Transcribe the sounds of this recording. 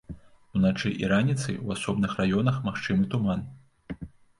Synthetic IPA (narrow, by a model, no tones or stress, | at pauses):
unat͡ʂɨʔḭɾanʲit̪sɨ̰jwasɔbnɨxrajɔnɐxmaxt͡ʂɨmɨt̪uman